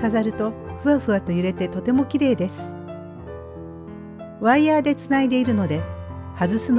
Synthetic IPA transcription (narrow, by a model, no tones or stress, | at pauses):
azaɾɯ̟t̪o̞ɸɯ̟aɸɯ̟at̪o̞jɯ̟ɾe̞t̪e̞t̪o̞t̪e̞mo̞kʲiɾe̞ːd̪e̞sɨ̥ | βaijaːd̪e̞t͡sɨnaid̪e̞iɾɯ̟no̞d̪e̞hazɨsɨn